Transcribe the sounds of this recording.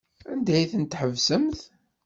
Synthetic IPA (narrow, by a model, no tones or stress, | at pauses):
ænd̪æjθənt̪ħəvsəmθ